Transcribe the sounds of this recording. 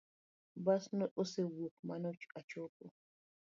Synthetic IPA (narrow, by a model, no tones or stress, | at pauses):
basnɔɗɔsɛwokmanot͡ʃat͡ʃɔkɔ